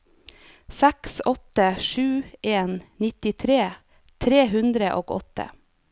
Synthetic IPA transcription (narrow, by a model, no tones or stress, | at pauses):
sɛksɔt̪əʃʉːʔeːnnɪt̪ɪt̪ʰɾeː | t̪ʰɾeːɦʉnd̪ɾəʔo̰ːɡɔ̰t̪ʰə̰